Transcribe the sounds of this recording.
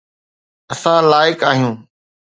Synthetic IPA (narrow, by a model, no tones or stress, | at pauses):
ɐsãːlaːɪkaːɦijũː